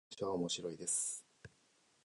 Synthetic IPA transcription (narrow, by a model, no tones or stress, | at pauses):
ɕiβaomo̞ɕiɾo̞id̪e̞sɨ̥